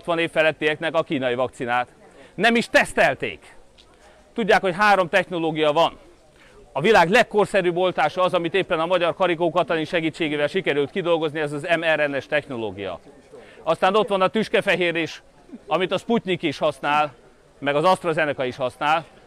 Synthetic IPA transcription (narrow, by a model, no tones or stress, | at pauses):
t̪ʋɒneːffɛlɛt̪ːiɛknɛkɒkiːnɒjivɒkt̪sinaːt̪ | nɛmiʃt̪ɛst̪ɛlt̪ḛːk | t̪uɟːaːkho̞cɦaːɾo̞mt̪ɛxno̞loːɡijɒvɒn | ɒvilaːɡlɛkːorsɛɾyːbo̞lt̪aːʃɒːzɒmit̪eːpːɛnɒmɒɟɒrkɒɾikoːkɒt̪ɒniʃɛɡiːt͡ʃːeːɡeːvɛlʃikɛɾylt̪kid̪o̞lɡo̞zniɛzɒzɛmɛɾɛnɛʃt̪ɛxno̞lo̰ːɡijɒ̰ | ɒst̪aːno̞t̪ʋɒnɒt̪yʃkɛfɛɦeːɾiʃ | ɒmit̪ɒsputʲnikiːʃhɒsnaːl | mɛɡɒzɒst̪rozɛnɛkɒiʃhɒsnaːl